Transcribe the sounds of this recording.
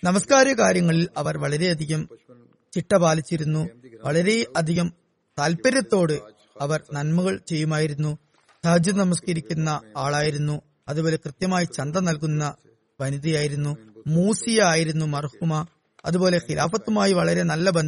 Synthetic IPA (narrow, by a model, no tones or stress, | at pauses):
nɐmɐskaːɾjɐkaːɾjɐŋːɐɭilɐʋɐrʋɐɭɐɾe̞ɐd̪ʱiɣɐm | t͡ɕiʈːɐbaːlit͡ɕːiɾunːuʋɐɭɐɾe̞ɐd̪ʱiɣɐm | t̪aːlpɐɾjɐt̪ːo̞ːɽɨ | ɐʋɐrnɐnmuɣɐɭt͡ɕe̞jːumaːjiɾunːu | sɐd͡ʑɐnɐmɐs̬kɐɾikʲːunːɐaːɭaːjiɾunːu | ɐðubo̞ːle̞krɨt̪jɐmaːjit͡ɕɐnd̪ɐnɐlk̬unːɐ | ʋɐniðijaːjiɾunːumuːsijaːjiɾunːumɐrhumɐ | ɐðubo̞ːle̞xila̰ːfɐt̪ːumaːjiʋɐɭɐɾe̞nɐlːɐbɐn